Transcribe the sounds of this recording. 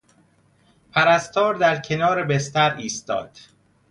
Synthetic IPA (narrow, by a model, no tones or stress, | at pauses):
pʰæɾæst̪ɒːɾd̪æɾcʰe̞nɒːɾebest̪æɾiːst̪ɒ̰ːd̪̥